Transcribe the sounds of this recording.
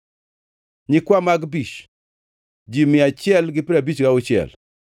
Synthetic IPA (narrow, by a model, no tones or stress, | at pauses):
ɲɪkwamaɡbit͡ʃ | d͡ʒimɪat͡ʃɪɛlɡɪpiɾabit͡ʃɡaʊt͡ʃɪɛ̰l